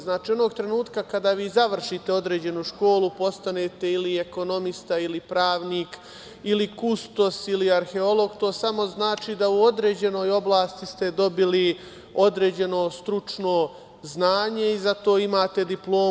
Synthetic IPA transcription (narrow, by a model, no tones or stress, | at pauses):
znaːt͡ʃiːo̞no̞ːɡ̚t̪ɾe̞nuːt̪kakad̪aːʋiːzaʋr̩ʃit̪e̞o̞d̪ɾe̞ːd͡ʑe̞nuʃko̞ːlupo̞st̪ane̞ːt̪e̞ilieko̞no̞mist̪ailipɾaːʋniːk | ilikust̪o̞siliaɾxe̞o̞lˠo̞ɡt̪o̞ːsamo̞znaːt͡ʃiːd̪auo̞d̪ɾe̞ːd͡ʑe̞no̞ːjo̞blˠaːst̪ist̪e̞d̪o̞bili | o̞d̪ɾe̞ːd͡ʑe̞no̞st̪ɾut͡ʂno̞ | znaːɲe̞izat̪o̞ːimaːt̪e̞d̪iplo̞ː